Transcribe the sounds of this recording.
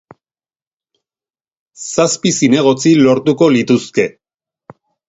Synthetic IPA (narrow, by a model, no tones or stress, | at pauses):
saspisine̞ɣ̞o̞t͡silo̞ɾt̪uko̞lit̪uske̞